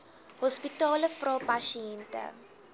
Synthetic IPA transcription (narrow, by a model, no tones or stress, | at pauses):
hɔspitɑːləfrɑːpaʃiɛntə̰